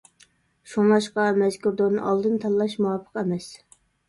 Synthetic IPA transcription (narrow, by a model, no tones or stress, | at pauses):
ʃuŋlˠɑʃqɑmɛzkʲuɾd̪onɨ̰ʔɑlˠd̪ɨnt̪ʰɑlˠlˠɑʃmuwɑpʰːə̥qɛmɛs